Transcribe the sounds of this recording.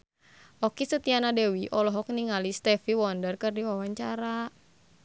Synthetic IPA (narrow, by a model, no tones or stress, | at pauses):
ʔɔkisət̪ianadɛwiʔɔlɔɦɔk̚niŋalist̪ɛfiwɔndərkɨrdiwawaɲt͡ʃaɾa